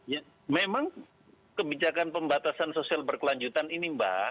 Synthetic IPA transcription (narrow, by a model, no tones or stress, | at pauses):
ja | memaŋ | kəbid͡ʒakanpəmbat̪asansosialbərkəlaɲd͡ʒut̪aninimba̰